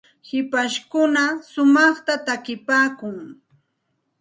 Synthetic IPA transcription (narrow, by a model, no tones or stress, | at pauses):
hɪpaʃkʊnasʊmɑχt̪at̪akɪpaːkʊŋ